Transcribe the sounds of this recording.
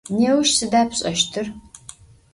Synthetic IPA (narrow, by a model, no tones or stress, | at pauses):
neːwʃsɨdaːpʰɕʼɐʃtʰɨr